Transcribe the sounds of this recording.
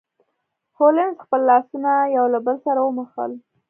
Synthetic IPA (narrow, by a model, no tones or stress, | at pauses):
holɪnzxpəlːɑsunajawlabəlsaɾawəməxə̰l